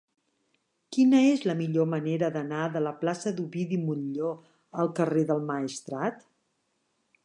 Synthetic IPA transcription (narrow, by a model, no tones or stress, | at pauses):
kinəezləmiʎoməneɾəðənaðələplasəðuβiðimuʎʎo | əlˠkəreðəlˠməist̪ɾat̪